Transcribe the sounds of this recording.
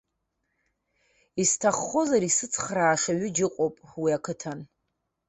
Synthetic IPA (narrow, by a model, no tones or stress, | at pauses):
istʰaχːo̞zaɾisɨt͡sʰχraːʂaɥɪd͡ʒɪqʷʼopʼwiakʰɨtʰan